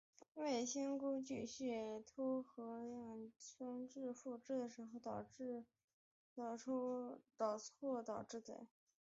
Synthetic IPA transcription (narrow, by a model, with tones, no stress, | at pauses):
we˥˩ɪɕi˥nkʊ˥t͡ɕy˥˧ɕy˥˩t̪ʰu˥xɤ˧˥ɑ˥˩ŋt͡ɕʰʊ˥ŋʈ͡ʂɻ̩˥˧fu˥˩˧ʈ͡ʂɻ̩˥˩d̪ə˩ʂɻ̩˧˥xo˧ʊt̪ɑ˨˩ʊʈ͡ʂ | t̪t̪ɑ˨˩ʊt͡sʰɔ˥˧t̪ɑ˨˩ʊʈ͡ʂɻ̩˥˩t͡sḛ˨˩˦